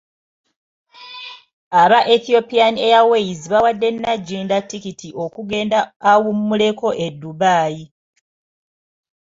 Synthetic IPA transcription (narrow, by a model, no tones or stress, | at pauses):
aβaʔeθio̞pijaniejawejiziβawadːe̞nːaɟːiːndatːikitʰiʔo̞kuɡe̞ːndaːwumːule̞ko̞ʔe̞dːuβaːji